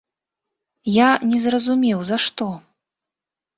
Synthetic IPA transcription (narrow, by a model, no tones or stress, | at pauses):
janʲɛzrɐzumʲɛwzaʂt̪ɔ